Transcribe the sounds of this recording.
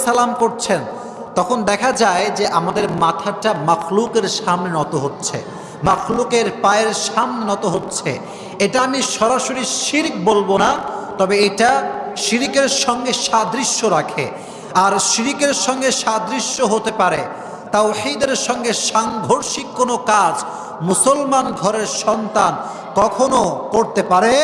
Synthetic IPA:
salamkoɾt͡ɕʰen | t̪ɔkʰond̪ɛkʰad͡ʑaed͡ʑeʔamad̪eɾmat̪ʰaʈamaxlukeɾʃamnenɔt̪oɦotːɕʰḛ | maxlukeɾpaeɾʃamnenɔt̪oɦotːɕʰḛ | eʈaamiʃɔɾaʃoɾiʃiɾkbolbonat̪ɔbeeʈaʃiɾikeɾʃɔŋɡeʃad̪ɾiʃːoɾakʰḛ | aɾʃiɾikeɾʃɔŋɡeʃad̪ɾiʃːoɦot̪epaɾe | t̪owħid̪eɾʃɔŋɡeʃaŋɡʱoɾʃikːonokad͡ʑ | musolmanɡʱɔɾeɾʃɔnt̪an | kɔkʰonokoɾt̪epaɾe

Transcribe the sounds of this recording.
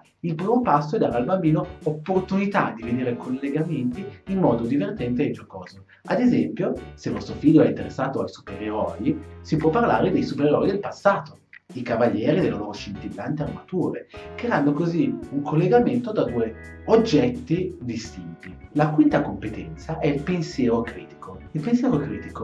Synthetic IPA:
ilpɾiːmopasːoɛd̪aːɾealbambiːnoopːort̪unit̪ad̪ːiveneːɾekʰolːeɡament̪iinːɔːd̪od̪ivert̪ɛnt̪eːd͡ʒokɔːzo | a̰d̪ezɛmpjoselvɔst̪ɾofiʎːoɛint̪eɾesːaːt̪oajsu̥peɾeɾɔjisipwɔpːarlaːɾed̪ejsupeɾeɾɔjid̪elpasːaːt̪o̥ | ikavaʎːɛːɾid̪elːaloːɾoʃent̪ilːant̪earmat̪uːɾekeanːokoziuŋkʰolːeɡament̪od̪ad̪uːeod͡ʒːɛt̪ːid̪ist̪int̪ilakwint̪akompet̪ɛnt̪saʔɛilpensjɛːɾokɾiːt̪i̥kʰoilpens̬jɛːɾokɾiːt̪iko

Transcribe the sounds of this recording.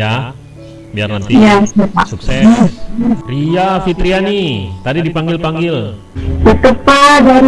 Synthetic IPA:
ja | bia̰rnant̪ijasapasuksɛ | riafit̪ɾianit̪adidipaŋɡɪlpaŋɡɪl | tut̪əpadaɾi

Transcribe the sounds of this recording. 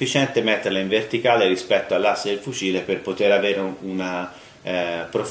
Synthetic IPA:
it͡ʃɛnt̪emet̪ːerleiɱvert̪ikaːlerispɛt̪ːoalːasːed̪elfut͡ʃiːleperpot̪eɾaveːɾeuna | pɾof

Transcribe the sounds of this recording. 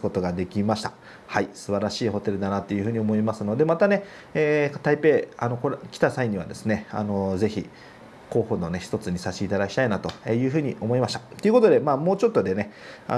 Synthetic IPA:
ko̞t̪o̞ɡad̪e̞kʲimaɕi̥t̪ḁ | haisɨbaɾaɕiːho̞t̪e̞ɾɯ̟d̪anat̪ːe̞jɯ̟ɸɯ̟ːɲ̟io̞mo̞imasɨno̞d̪e̞mat̪ane̞ | eːt̪aipe̞ːano̞koɾkʲi̥t̪asaiɲ̟iβa̰d̪e̞sɨne̞a̰no̞ze̞çi | ko̞ːho̞no̞ne̞çi̥t̪o̞t͡sɨɲ̟isaɕiit̪ad̪akʲi̥t̪ainat̪o̞eːjɯ̟ːɦɯ̟ːɲ̟io̞mo̞imaɕi̥t̪ḁt̪oɨɯ̟ko̞t̪o̞d̪e̞maːmoːt͡ɕo̞t̪ːo̞d̪e̞ne̞ | a̰

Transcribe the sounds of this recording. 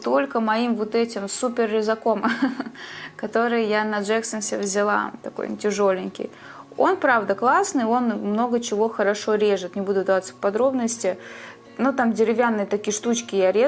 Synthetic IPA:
t̪o̞lʲkəmɐimvo̞t̪ɛtʲɪmsupʲɪrːʲɪzɐko̞m | kɐt̪o̞ɾɨjjanɐʐɛksənsʲevʲzʲɪlˠa̰t̪ɐko̞̰jntʲɪʐo̞lʲɪnʲkʲɪ̰j | o̞̰npɾavd̪əklˠasnɨo̞nmno̞ɡət͡ɕɪvo̞xəɾɐʂo̞ɾʲe̞ʐɨt̪nʲɪbud̪ʊd̪ɐvat̪sə̥pɐd̪ɾo̞bnəsʲtʲɪ | nut̪amdʲɪɾʲɪvʲanːɨjət̪ɐkʲijʂt̪ut͡ɕkʲɪjaɾʲe

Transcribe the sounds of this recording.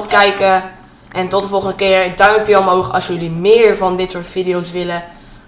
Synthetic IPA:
tkɛjkə | ʔɛntɔtəvɔlˠχəndəkɪːɹədœjpjəɔmowχɑ̰sjɵlimɪːɹvɑndɪtsoːɹtfidijowsʋɪlə

